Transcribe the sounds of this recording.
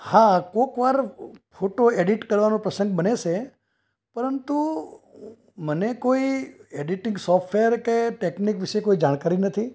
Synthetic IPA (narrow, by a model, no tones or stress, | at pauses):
hãkokʋaɾfʰoʈoeɖiʈkəɾʋanõpɾəsə̃ŋɡ̚bəneʃe | pəɾənt̪u | mənekoieɖiʈɪ̃ŋɡsɔfʈʰʋeəɾkeʈeknikʋiʃekoid͡ʒaɽ̃kaɾinət̪ʰi